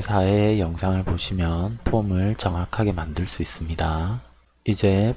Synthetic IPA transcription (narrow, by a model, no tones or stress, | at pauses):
sʰaeːjʌŋsʰaŋɯɭpoɕʰimjʌnpʰomɯɭt͡ɕʌŋɦakʰaɡe̞mandɯɭs͈uis͈ɯmɲida | id͡ʑe̞